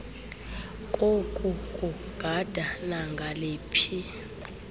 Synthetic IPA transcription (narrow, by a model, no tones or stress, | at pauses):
kʼokʼukʼu | ɡ̥ʱad̥ʱanaŋɡʱaleːpʰi